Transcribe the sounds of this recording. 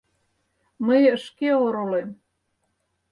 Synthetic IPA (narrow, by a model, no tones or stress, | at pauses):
məjəʃkeoɾulem